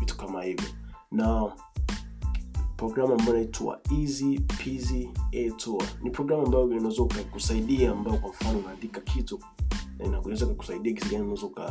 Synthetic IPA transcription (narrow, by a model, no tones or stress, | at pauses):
vitu̥kamahivjɔ̰na | pɾɔɡɾamambajɔnaita̰izipʰiziɛtʰɔa̰nipɾɔɡɾamambajɔunawɛzɔukakusaiɗiaːmbajɔkwam̩fanɔunaːndikakʰitu | naunawɛzaukaku̥saiɗiak̬isiɡaniunɛzɔuka̰